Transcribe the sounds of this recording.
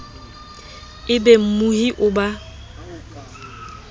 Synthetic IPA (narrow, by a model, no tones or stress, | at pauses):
ɪbɛm̩muhiʔʊba